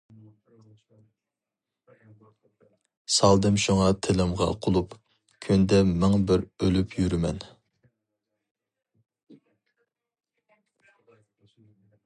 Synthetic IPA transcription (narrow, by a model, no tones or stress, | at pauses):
sɑlˠd̪ɨmʃuŋɑt̪ʰɪlɪmʁɑ̰qʰolˠup | kʲʰynd̪ɛmɪŋbɪɾølypʰjyɾymɛn